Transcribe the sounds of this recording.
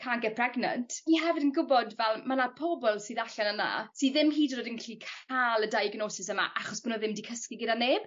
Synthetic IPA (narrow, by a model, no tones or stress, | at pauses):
kʰaŋɡɛpʰr̥ɛɡna̰ntʰiɦɛvɪdənɡʊbɔdvɛlˠmanapʰɔbɔlˠsiːðaɬanəna̰siːðɪmɦiːdrodənkʰr̥iːkʰaːlˠədajɡnoːsɪsəma̰ʔaχɔsb̥ʊnɔðɪmdikʰəskɪɡədaneːb̥